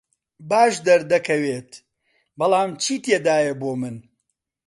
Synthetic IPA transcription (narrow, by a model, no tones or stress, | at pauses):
baːʃd̪ɐɾd̪ɐkʰɐweːt̪ | bɐlˠaːmt͡ʃʰiːt̪eːd̪aːjɐboːmɨn